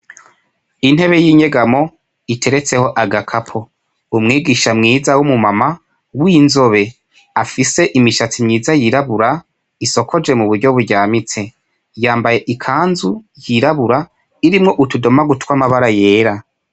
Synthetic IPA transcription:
in̥he̞βe̞jiːɲe̞ɡamo̞ | itʰe̞ɾe̞t͡se̞ho̞ʔaɡakʰapʰo̞ | umŋiːɡiʃamŋiːzawumumama | winzo̞βe̞ | afise̞ʔimiʃat͡simɲiːzajiɾaβuɾa | iso̞kʰo̞d͡ʒe̞muβuɾɟo̞βuɾɟaːmit͡se̞ | jaːmbaje̞ʔikʰaːnzujiɾaβuɾa | iɾimŋo̞ʔutudo̞maɡutwaːmaβaɾaje̞ːɾa

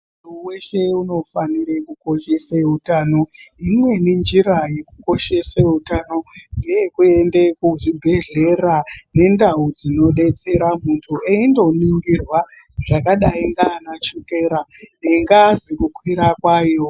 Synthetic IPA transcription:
mmutʰuwe̞ʃe̞uno̞faniɾekuko̞ʃe̞seutaːno̞imwe̞nind͡ʒiɾaje̞kuko̞ʃe̞seutaːno̞nɡejekue̞nde̞kuʐibʱe̞ɮe̞rane̞ndaud͡zino̞ɗe̞t͡se̞ɾamuntʰueindo̞niŋɡirwa | ʐakaɗaiŋɡaːnat͡ʃukeɾaneŋɡaːzikukwiɾakwaːjo̞

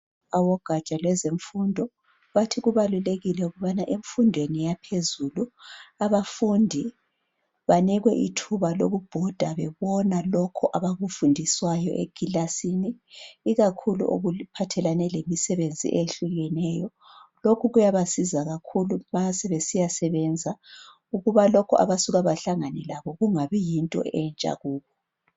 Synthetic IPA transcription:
awɔɡ̥ʱat͡ʃʼalwɛzeɱfundʱɔ | βatʰiɣuβaluleɣilɛuɣuβanaʔeɱfundʱwenijapʰezuluaβafundʱi | βaniɣwɛʔḭtʰuβaloɣub̥ʱɔd̥ʱaβɛβɔnalɔkʰɔʔaβaɣufundʱiswajɔ̰ʔḛɡ̥ʱilasiniːɣakʰulṵʔo̰ɣupʰatʰɛlanɛlemisɛβend͡zʱḭʔeɬuɣɛnɛjɔ | lokʰuɣujaβasizaɣakʰulumasɛβesijasɛβɛnd͡zʱa | uɣuβalɔkʰɔʔa̰βasuɣaβaɬaŋanɛlaβɔɣuŋaβijintʼɔ̰ɛnt͡ʃʼa̰ɣuːβɔ

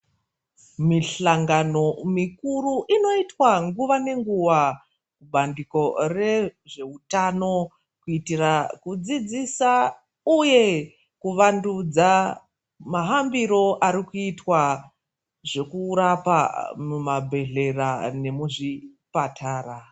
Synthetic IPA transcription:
miɬaŋɡano̞mikuruʔino̞itwaŋɡuʋane̞ŋɡuʋa | kuɓandiko̞re̞ʐe̞utano̞ | kuitirakud͡zid͡zisa | uje̞ | kuʋandud͡za | maɦambiɾo̞ʔaɾikuitwa | ʐe̞kuɾapa̰mumabʱe̞ɮe̞rane̞muʐipatʰaːra

